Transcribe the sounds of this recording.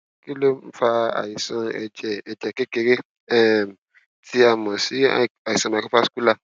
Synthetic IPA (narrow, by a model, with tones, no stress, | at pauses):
ki˦lo˦m̩˦fa˧a̰˨ji˨sã˧ɛ̰˨d͡ʒɛ˨ɛ˨d͡ʒɛ˨ke˦ke˧ɾe˦ | ɛ˦˨ | tʰi˦a˨mɔ̃˨si˨˦˨a˨ji˨sã˧ma˨ku˦fa˦sku˦la˦˨